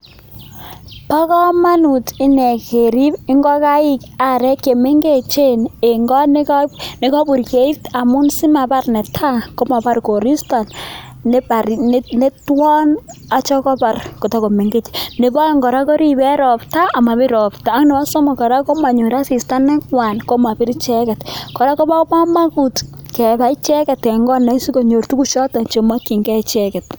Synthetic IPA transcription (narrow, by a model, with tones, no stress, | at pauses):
pa˦kɔ˦ma˦nu˨ti˦nɛ˨ke˨ɾi˦pi˦ŋɡɔ˦ka˦i˦ka˨ɾɛ˦kːe˨me˦ŋɡe˦˨t͡ʃe˦ne˨ŋɡɔ˦n˦kne˦kɔ˦bu˨ɾke˦i˦ta˨mʊ˦nsi˦ma˨ba˦rnɛ˨tʰa˦ko˦ma˨ba˦rko˨ɾi˦sta˨n | n˦ba˨ɾnne˦twɔ˦na˦t͡ʃɔ˦kɔ˦pa˨rko˨ta˦ko˨me˨ŋɡe˦tne˨ba˦ŋɡɔ˨ɾa˦ko˦ɾi˦bɛ˦ɾɔ˨pta˦a˨ma˨bi˦ɾɔ˨ptaː˨˦ŋne˨wa˦so˦mɔ˨kɔ˨ɾa˦ko˦ma˨ɲu˨ɾa˦si˨sta˦nɛ˦kwa˨nko˦ma˨pi˦ɾt͡ʃɛ˦kɛ˨tkɔ˨ɾa˦ko˦ba˦kma˦ma˦ku˨t | kɛ˨ba˨˦t͡ʃɛ˦kɛ˨tkɛ˨ŋɡɔ˦na˨˦i˦si˦ko˨ɲo˨rtu˦ku˦ʃɔ˦ta˨t͡ʃe˨ma˦ki˨ŋɡɛ˦t͡ʃɛ˦kɛ˨t̚